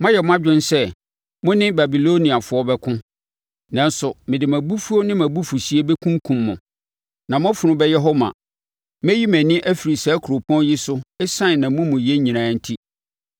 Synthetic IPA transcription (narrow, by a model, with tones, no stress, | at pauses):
mã˦jɛ˨mʊ̃˦a˦d͡ʑᶣʊ̃˦n˦sɛ˦ | mʊ̃˦nɪ̃˦ba˨bi˨lo˦nĩ˨a˨fʊ˦ɔ˦bɛ˦kʰʊ̃˦ | nã˦n˦sʊ˨mɪ̃˨dɪ˨mæ̃˨bu˦fu˦o˦nɪ̃˦mæ̃˨bu˦fu˨ɕi˦e˦bɛ˦kʰũ˦ŋkʰũ˨mːʊ̃˨ | nã˨m̃˦fʊ˨nʊ̃˦bɛ˦jɛ˦ɦɔ˦mã̰˨ | mɛ˦ji˦mæ̃˨nɪ̃˦ʔæ˦fi˨ɾi˨saː˨˦kʰɾo˨pʰɔ̃˦n˦jɪ˦sʊ˦ɛ˦sã˦˨nã˨mʊ̃˦mʊ̃˨jɛ˦ɲĩ˨nã˨˦˨n̩˦tʰi˦